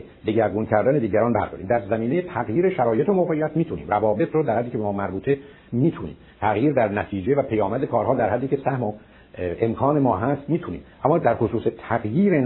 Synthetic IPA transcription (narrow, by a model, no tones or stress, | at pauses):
d̪eɟæɾɡuncʰæɾd̪æne̞d̪iːɟæɾɒːnbæ̰ɾd̪ɒ̰ːɾiːmd̪æɾzæmiːnejet̪ʰæɣjiːɾeʃæɾɒːje̞t̪ʰomoɣejːæt̪miːt̪ʰunḭːmrævɒːbe̞t̪ʰɾod̪æɾhæd̪ːiːcʰeemɒːmæɾbuːt̪ʰe̞ | miːt̪ʰunḭːm | t̪ʰæɣjiːɾd̪æɾnæt̪ʰiːd͡ʒe̞væpʰejɒːmæd̪ekʰɒːɾɦɒːd̪æɾhæd̪ːiːcʰe̞sæhmo | ʔemkʰɒːne̞mɒːɦæst̪miːt̪ʰunḭːmʔæmːɒːd̪æɾxosuːset̪ʰæɡjiːɾen